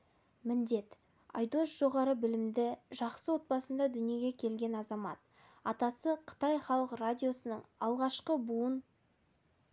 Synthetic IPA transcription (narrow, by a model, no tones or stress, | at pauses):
mɪnd̪e̞t̪ | ɑ̰jd̪osʒ̥o̞ʁɑɾəbɪlɪmd̪ɪʒɑqsəwo̞t̪̚bɑsənd̪ɑd̪ʏnije̞ɡʲe̞kʲʰe̞lɡʲe̞nɑzɑmɑ̰t̪ | ɑt̪ɑsəqʰə̥t̪ɑjχɑlˠəqradʲijo̞sənəɴɑlˠʁɑʃqəbuən